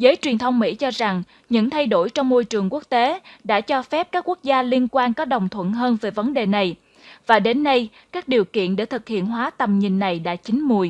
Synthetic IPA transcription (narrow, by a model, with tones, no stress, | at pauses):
zəː˨˦jt͡ɕwi˨˩ənt̪ʰə˧wŋ͡mmḭ˧˥t͡ɕɔ˧za˨˩ŋ | ɲɨ̰˧˥ŋt̪ʰa˧jɗo˧˩jt͡ɕɔ˧wŋ͡mmo˧jt͡ɕɨ˨˩əŋku˦˥ək̚t̪e˨˦ɗa̰ː˧˥t͡ɕɔ˧fɛ˦˥p̚kaː˦˥kːu˦˥ək̚zaː˧li˧ənkwaː˧nkɔ˨˦ɗə˨˩wŋ͡mt̪ʰwə̰˧˨nɦəː˧nveː˨˩jvə˨˦nɗe˨˩na˨˩j | vaː˨˩ɗe˨˦nːə˧j | kaː˦˥k̚ɗi˨˩əwkḭ˧˨ənɗḛ˧˩t̪ʰɨ˨˩k̚hḭ˧˨ənɦwaː˨˦t̪ə˨˩mɲi˨˩nːa˨˩jɗa̰ː˧˥t͡ɕï˨˦ŋ̟mu˨˩j